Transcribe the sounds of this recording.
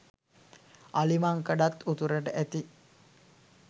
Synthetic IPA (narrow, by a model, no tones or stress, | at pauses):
alimaŋkəɖat̪ːut̪uɾəʈəʔæt̪i